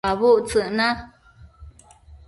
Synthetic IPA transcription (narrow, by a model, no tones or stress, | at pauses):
aβuʔt͡sɨʔnã